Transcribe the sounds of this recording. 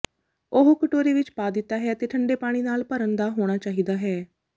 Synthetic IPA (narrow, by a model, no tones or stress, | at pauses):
oɦokəʈoːɾeːʋɪt͡ʃpaːd̪ɪt̪ːaːɦɛːət̪eːʈʰəɳɖeːpaːɽ̃iːnaːlpəɾənd̪aːɦoːɽ̃aːt͡ʃaːɦiːd̪aːɦɛː